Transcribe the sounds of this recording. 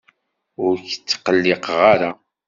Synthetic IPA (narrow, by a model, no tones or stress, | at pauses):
ʊɾçt͡sːqəlːɪqʁaɾa